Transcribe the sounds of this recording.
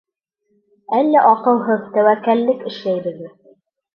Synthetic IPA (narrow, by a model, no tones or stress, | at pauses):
ælːæʔɒqɤ̆lˠɦɤðt̪æwækːælːɘkɘ̆ʃlæjɾɘ̆ɡɘð